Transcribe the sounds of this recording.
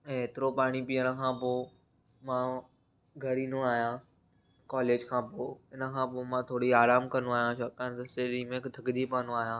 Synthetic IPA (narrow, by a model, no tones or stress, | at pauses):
eːt̪ɪɾopaːɽ̃ipiəɽ̃əkʰãːpoː | mãː | ɡʱɐɾiːnuaːɦjãː | kaːleːd͡ʑkʰãːpoːɪnə̆kʰãːpoːmãt̪ʰoːɽiaːɾaːmkɐnũaːɦijãʃɐkant̪ɐseːɗimẽːkd̪ʱɐɡd͡ʑipaːnũaːɦjãː